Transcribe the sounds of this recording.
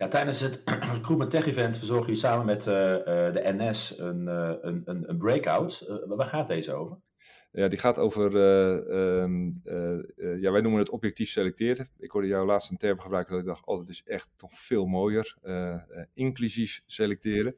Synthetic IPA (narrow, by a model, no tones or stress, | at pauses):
jatɛjdənsətkrupəntɛχivɛntfəzɔɹɣəisaːmənmɛtdəʔɛnɛsənənənənbreːkawtʋaːχaːtezəowvər | jadiχaːtowvərə | jaʋɛjnumənətɔpjɛk̚tifselɛk̚tɪːrdəɪkʋʊrdəjawlaːtstəntɛɹpəxəbrœɥkəndɔtɪɡ̚dɔxtɔ̰dɔtɪsɛxtːɔxfɪːlˠmoːjərəɪŋklysisselɛk̚tɪːɾə